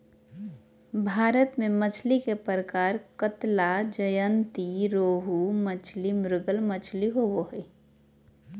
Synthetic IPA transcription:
bʱaːɾət̪mẽmət͡ʃʰlikepɾəkaːɾkət̪lad͡ʒəjənt̪iɾoːɦumət͡ʃʰlimɾɪɡəlmət͡ʃʰliɦoʋoɦeː

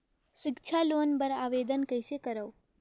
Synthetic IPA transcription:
ʃɪkt͡ʃʰalonbəɾaʋed̪ənkəjʃekəɾəw

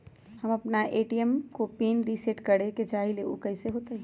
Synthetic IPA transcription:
hɐmɐpnaʔeːʈiəmkopeːnɾiseʈkɐɽẽket͡ʃaːɦileo̰kɐɪseɦoːt̪eɦ

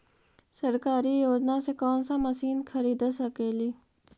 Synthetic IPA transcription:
səɾkaːɾijoːd͡ʒnasekoːnsãmɐsiːnkʰɐɾiːd̪əsɐkeːliː

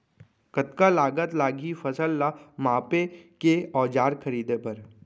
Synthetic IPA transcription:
kət̪kalaːɡət̪laːɡʱifɐsəlːamaːpekeɔːd͡ʒaːɾkʰɐɾiːd̪epɐɾ

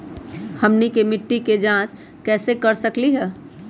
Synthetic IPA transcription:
həmnikemɪʈːiked͡ʒãːt͡ʃ | kɛːsekɐɾsəkliɦɛː

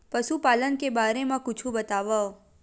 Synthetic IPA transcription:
pəʃupalənkebaɾemãkʊt͡ʃʰũbət̪aʋə

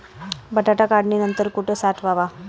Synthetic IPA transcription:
bʱəʈaʈakaɽninənt̪əɾkuʈʰesaʈʰʋaʋa

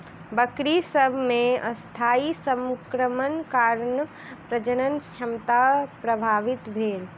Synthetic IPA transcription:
bəkɾisəbʱmẽɐst̪ʰaːisə̃mkɾəmənkaːɾn | pɾəd͡ʒənənkʃʰɐmt̪apɾɐbʱaːʋɪt̪bʱeːl

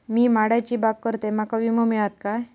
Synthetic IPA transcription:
miːmaɽat͡ɕiːbaɡ̚kəɾt̪emakaʋiməmiɭat̪kaj

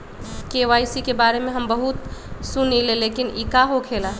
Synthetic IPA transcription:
keʋajsikebaɾemeɦəmbəɦut̪sunilelekinikaɦokʰela

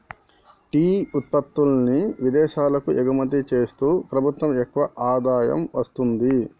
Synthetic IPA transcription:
ʈiːut̪̚pɐt̪ːulɐniʋid̪ɛːʃaːlɐkuʔɛɡɐmɐt̪ːit͡ʃe̞ːst̪uːpɾɐbʱut̪ʋɐmɛkːʋɐʔaːd̪aːjɐ̰mʋɐst̪und̪i

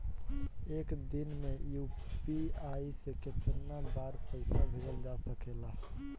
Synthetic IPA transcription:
ekd̪inmejupiaiseket̪əɾnabaɾpəɪsabʱeɾəld͡ʒasəkela

